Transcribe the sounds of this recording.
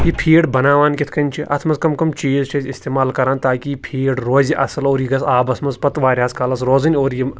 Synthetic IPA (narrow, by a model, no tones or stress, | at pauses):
jipʰiːɖbɐnaːʋaːnkʲit̪ʰkɐnʲt͡ʃʰiʔɐt̪ʰmɐnzkɐmkɐmt͡ʃiːzt͡ʃʰɐzʲɪst̪eːmaːlkɐɾaːnt̪aːkʲipʰiːɖɾoːzʲiʔɐsɐloːɾjiɡɐsaːbɐt̪ʰmɐzpɐt̪ʋaːɾʲaːskɐlɐsɾoːzɐnʲoːɾji